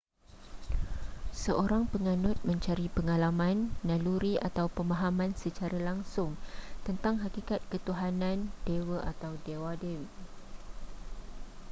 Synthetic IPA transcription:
səʔoɾaŋpəŋãnʊt̪̚mə̃ɲt͡ʃaɾipəŋalamãnːãluɾiʔat̪awpəmãɦamãnsət͡ʃaɾalaŋsʊŋt̪ənt̪aŋɦakikat̪̚kət̪uɦanãndewəʔat̪awdewadewiʔ

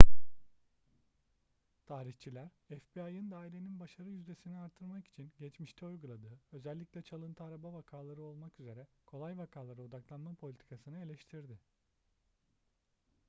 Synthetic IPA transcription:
t̪ʰaːɾiçt͡ʃʰilʲæɾɛfbiajɯnd̪aːilʲe̞ninbaʃaɾɯjyzd̪esiniaɾt̪ʰːɯɾmaki̥t͡ʃʰinɟɛt͡ʃmiʃt̪ʰɛujɡulˠad̪ɯːø̞zɛlʲːiclʲɛt͡ʃʰalˠɯnt̪ʰɯaɾabavakʰaːlˠaɾɯo̞lˠmakyze̞ɾɛkʰo̞lˠajvakʰaːlˠaɾɯo̞d̪aklˠanmapʰo̞lʲit̪ʰi̥kʰasɯnɯe̞lʲɛʃt̪ʰiɾd̪ɪ

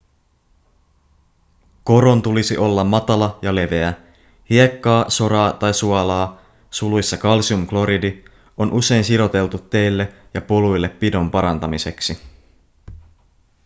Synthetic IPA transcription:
ko̞ɾo̞nt̪ulisiʔo̞lːɑmːɑt̪ɑlɑjɑle̞ʋe̞æ | hie̞kːɑːso̞ɾɑːt̪ɑjsuɑlɑː | sulujsːɑkɑlsiumklo̞ɾidi | o̞nʔuse̞jnsiɾo̞t̪e̞lt̪ut̪ːe̞jlːejɑpolujlːepːido̞mpɑɾɑnt̪ɑmise̞ksi

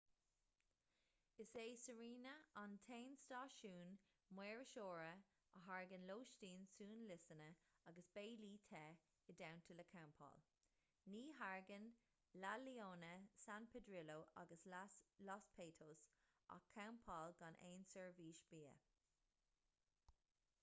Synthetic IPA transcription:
ɪseːsəɹiːnəantʰeːnstɑːʃuːn | mweːɹəʃoːɹə | əɦaɹɡənloːʃtiːnsuːnlɪsənəaɡəsb̥eːliːt̪ʰɛ | ədawntʰələkʰawmpʰɑ̰ːl | niːɦaɹɡən | lalioːnəsanpʰɛdɹɪloːʔa̰ɡəslɑspʰeːtʰoːs | a̰kʰːawmpʰɑːlɡanʔeːnsəɹviːʃb̥iːə̰

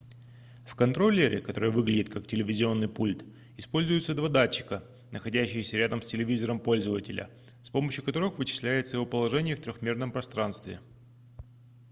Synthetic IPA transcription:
fkɐnt̪ɾo̞lʲːɪɾʲʔɪ̰kɐt̪o̞ɾɨjvɨɡlʲɪdʲɪt̪̚kaktʲɪlʲɪvʲɪzʲɪo̞nːɨjpulʲt̪ | ɪspo̞lʲzʊjɪt̪səd̪vad̪at͡ɕːɪ̥kə | nʔəxɐdʲæɕːɪjəsʲəɾʲad̪əmsʲtʲɪlʲɪvʲizəɾəmpo̞lʲzəvətʲɪlʲə̰ | spo̞məɕjʊkɐt̪o̞ɾɨxvɨt͡ɕɪ̥sʲlʲæjɪt̪səjɪvo̞pəlˠɐʐɛnʲɪjəft̪ɾʲoxmʲe̞rnəmpɾɐst̪ɾanst̪vʲɪ̰

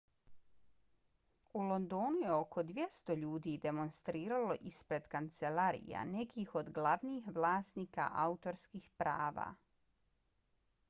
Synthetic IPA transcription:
ulˠo̞nd̪oːnuje̞o̞kʰo̞d̪ʋje̞st̪o̞ʎuːd̪id̪e̞mo̞nst̪ɾiːɾalo̞ʔispɾe̞d̪kant̪se̞laɾḭja̰ne̞kiːxo̞d̪ɡlˠaʋniːxʋlˠaːsniːka̰ʔaut̪o̞ɾskiːxpɾa̰ːʋa̰ː

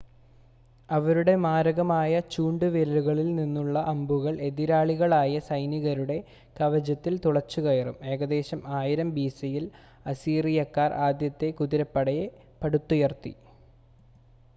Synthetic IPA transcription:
ɐʋɐɾuɽe̞maːɾɐɣɐmaːjɐt͡ɕuːɳɖɨʋilɐluɣɐɭilninːuɭːɐʔɐmbuɣɐɭʔe̞ðiɾaːɭiɣɐɭaːjɐsɐjniɣɐɾuɽe̞ | kɐʋɐd͡ʑɐt̪ːilt̪uɭɐt͡ɕːuɣɐjɐrṵme̞ːɣɐd̪e̞ːɕɐmaːjiɾɐmbiːsijil | ɐsiːrijɐkːaːrʔaːd̪jɐt̪ːe̞kuðiɾɐpːɐɽɐje | pɐɽut̪ːujɐrt̪ːḭ

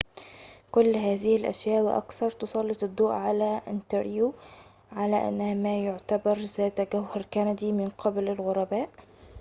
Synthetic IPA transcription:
kʊlːɦaːzɪhɪlʔæ̰ʃjaːʔwɪ̰ʔɑ̰kθɑɾˤt̪ʊsˤɑlːɪt̪ɪd̪ːoːʔʕalaʔɪ̰nt̪ɑɾjuː | ʕalaʔa̰nːæhamaːjʊʕt̪abɑɾˤzaːt̪ɡawhɑɾˤkænad̪iːmɪnqʰɑblɪlɣʊɾˤɑbaːʔ

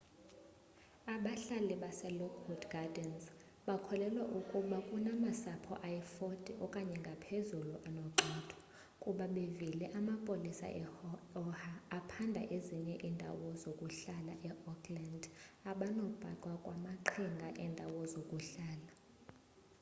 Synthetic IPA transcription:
aɓaɬaliɓasɛlɔkʰwɔdɡadɛns | ɓakʰɔlɛlwaʔukʼuɓakʼunamasapʰɔ̰ʔajɛfɔd̥ʱʼiʔɔkʼaɲɛŋɡʱapʰezuluʔanɔǃʱɔd̥ʰʱɔ̥ | kʼuɓaɓevilɛʔamapʼolisa̰ʔɛɔhaːpʰandʱa̰ʔeziɲɛʔindʱa̰wɔzokʼuɬalaʔɛʔɔkʰʼlandaɓanob̥ʱa̰ǃʼwakʼwamaǃʰiŋɡʱaʔɛndʱawɔzokʼuɬaːla

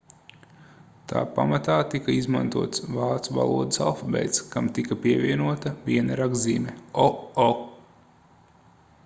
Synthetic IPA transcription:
t̪ʰa̰ːpa̰mat̪aːt̪ikɐizmã̰nt̪uɔt̪svaːt̪suva̰lˠuɔd̪əsa̰lˠfabɛ̰jt̪skamt̪ikɐpiɛvʲiɛnuɔt̪ɐbʲiɛnaɾaɡziːmɛɔɔ

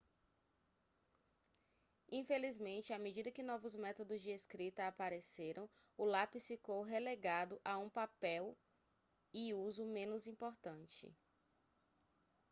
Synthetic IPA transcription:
ĩfelizmẽnt͡ʃɪamed͡ʒid̪ɐkɪnɔvʊzmɛt̪od̪ʊzd͡ʒɪeskɾit̪ɐapaɾeseɾɐ̃w̃ | ʊlapisfikowɦeleɡad̪ʊʔaũpapɛw | ɪuzʊmẽnʊzĩpoɾt̪ɐ̃nt͡ʃɪ̰

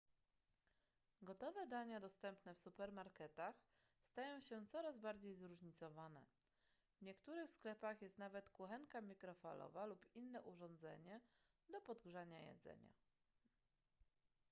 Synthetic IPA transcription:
ɡɔt̪ɔvɛd̪aɲad̪ɔst̪ɛmpnɛfsupɛɾmaɾkɛt̪ax | st̪ajɔ̃w̃ɕɛt̪sɔɾazbaɾd͡ʑejzɾuʐɲit̪sɔvanɛ̰ | vɲɛkt̪uɾɘxsklɛpaxjɛst̪navɛt̪kuxɛŋkamʲikɾɔfa̰lɔ̰valupinːɛʔuʐɔ̃nd̪zɛ̰ɲɛ | d̪ɔpɔd̪ɡʐaɲajɛ̰d̪zɛ̰ɲa̰

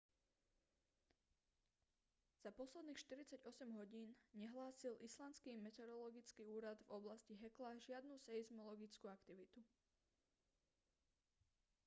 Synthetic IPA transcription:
z̥apɔslɛd̪niːxʃt̪iɾit͡saɟɔsɛmɦɔɟiːnɲɛɦlaːsilʔislanskiːmɛt̪ɛɾɔlɔɡit͡skiːuːɾad̪vɔblasciɦɛklaːʒɪad̪nusɛizmɔlɔɡit͡skuːakt̪iʋit̪u

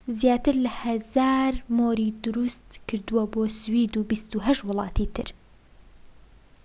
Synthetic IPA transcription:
zjaːt̪ɨɾlɐhɐzaːɾmoːɾid̪ʊɾust̪kʰɨɾd̪uwɐboːswiːd̪uːbist̪uɦɐʃt̪wʊlˠɑ̰ːt̪it̪ʰɨ̰ɾ

